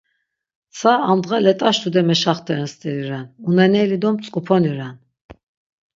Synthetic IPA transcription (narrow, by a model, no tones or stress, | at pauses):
sʰaamd̪ʁalɛt̪ʼaʃt̪ʰud̪ɛmɛʃaχt̪ʰɛɾɛnst̪ʼɛɾiɾanunɛnɛlid̪ɔmt͡sʼkʼupʰɔniɾan